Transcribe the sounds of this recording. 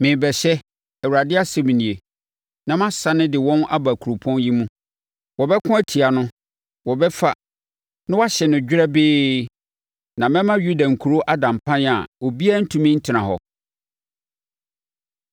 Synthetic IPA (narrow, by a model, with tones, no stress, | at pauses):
mɪ̃˨bɛ˨ɕɛ˦ | ɛ˨wu˨ɾa˨dɪ˦a˦sɛ˦mĩ˨nĩ˨e˨ | nã˦˨mã˦sa˨nɪ̃˦dɪ˨wɔ̃˦na̰˦ba˨kʰu˨ɾo˨pʰɔ̃˦nji˦mũ˦ | wɔ˨bɛ˦kʰʊ̃˦æ˦tʰi˨a˨nʊ̃˦ | wɔ˨bɛ˦fa˦ | nã˦wa˦ɕɛ˨nʊ̃˨d͡ʑᶣɪ˦ɾɛ˦bɪː˦ | nã˨mɛ̃˦mã˦ɥu˦dã˨ŋ̩˨kʰu˨ɾo˦ʔa˦dã˨m˨pʰã˦na̰˨o˨bi˦a˦n̩˦tʰũ˦mɪ̃˦n̩˦tʰɪ˨nã˨ɦɔ̰˨